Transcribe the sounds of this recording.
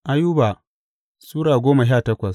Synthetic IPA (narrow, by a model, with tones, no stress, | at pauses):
ʔa˦juː˦baː˨ | suː˦ɽaː˨ɡʷoː˦ma˨ʃ̬aː˦˨tɐ˦kʷɐ˨s